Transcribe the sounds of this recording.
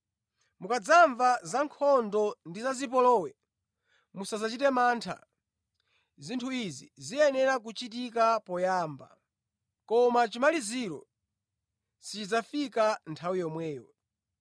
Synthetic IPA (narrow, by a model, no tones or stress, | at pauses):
mukad͡zaɱvazaŋkʰɔndɔndizazip̬ɔlɔːwɛ | musazat͡ʃitɛmaːntʰa̰ | zintʰuizizijɛnɛɾak̬ut͡ʃit̬ik̬apɔjaːmba̰ | kɔmat͡ʃimaliziɾɔ̰ | sit͡ʃid͡zafikantʰawijɔmwɛːjɔ̰